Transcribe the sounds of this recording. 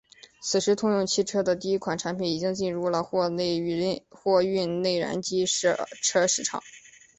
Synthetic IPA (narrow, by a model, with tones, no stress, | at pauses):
t͡sʰɹ̩˨˩ʂɻ̩˧˥t̪ʰʊ˥˧ŋjʊ˥˧ŋt͡ɕʰi˥˧ʈ͡ʂʰɤ˥d̪ə˨t̪i˥˧i˥kʰwa˨˩nʈ͡ʂʰa˧˥npʰi˨˩˥ni˨˩t͡ɕi˥ŋt͡ɕi˥˧nɻu˥˩lə˩˥˧xwɔ˥˧y˥˧nne˥˩ɪɻa̰˧˥nt͡ɕi˥ʂʈ͡ʂʰɤ˥ʂɻ̩˥˩ʈ͡ʂʰɑ̰˨˩˦